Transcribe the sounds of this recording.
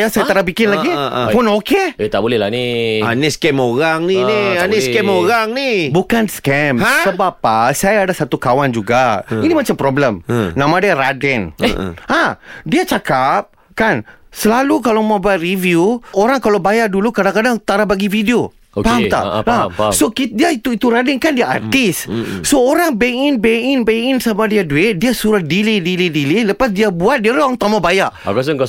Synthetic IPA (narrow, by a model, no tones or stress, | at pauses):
jasajat̪aɾabikɪnlaɡipɔnokeet̪aʔbolɛlanianeskɛmoɾaŋninianeskɛmoɾaŋnibukanskɛmsəbapasajaːdasat̪ukawand͡ʒuɡainimat͡ʃampɾɔbləmnãmãdiaɾadɛnadiat͡ʃakap̚ | kansəlalukalamabat̪rivjuoɾaŋkalawbajaʔdulukadaŋkadaŋt̪aɾabaɡifideo | opamt̪a̰asokidiait̪uit̪uɾadɛnkandiaa̰rt̪ɪssoːɾaŋbeɪnbeɪnbeɪnsamadiaduɪt̪̚diasuɾahdilidilidililəpasdiabuat̪̚diaɾaŋt̪amabajaʔakas̬əŋka